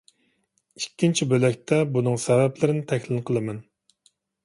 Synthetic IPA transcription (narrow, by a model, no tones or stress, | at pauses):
ikʲːint͡ʃʰibølɛk̚ʲt̪ʰɛbunɨŋsɛvɛplɪɾɪnɪt̪ʰɛkʲlɪnqʰəlˠɨmɛn